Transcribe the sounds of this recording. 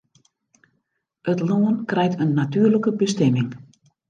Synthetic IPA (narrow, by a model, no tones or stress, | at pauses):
ətloːənkrɛjtʰənːatyːərləkəbəstɛmɪŋ